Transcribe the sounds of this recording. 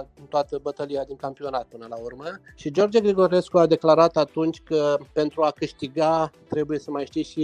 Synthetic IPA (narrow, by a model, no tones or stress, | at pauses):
nt̪oat̪əbət̪əliad̪iŋkampio̞nat̪̚pɨnəlaurmə | ʃid͡ʒo̞rd͡ʒeɡɾiɡo̞ɾe̞skuad̪e̞klaɾat̪at̪unt͡ʃʲkəpe̞nt̪ɾuakɨʃt̪iɡat̪ɾe̞buje̞səmajʃt̪iʃi